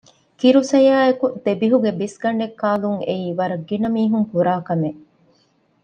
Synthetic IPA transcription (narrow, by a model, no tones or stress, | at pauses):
kiɾusɐjaːekut̪ebiɦuɡebisɡɐɳɖekːaːluŋeiːʋɐɾɐɡːinɐmiːɦuŋpuɾaːkɐme